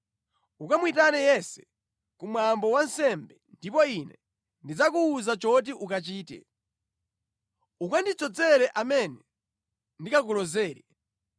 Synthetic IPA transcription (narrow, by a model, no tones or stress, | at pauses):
ukamwitanɛjɛsɛ̥ | kumwambɔwansɛmbɛndipɔinɛ | ndid͡zakuːzat͡ʃɔt̬iʔukat͡ʃiːtɛ̰ | ukandit͡sɔd͡zɛɾɛʔamɛnɛ | ndikak̬ulɔzɛːɾɛ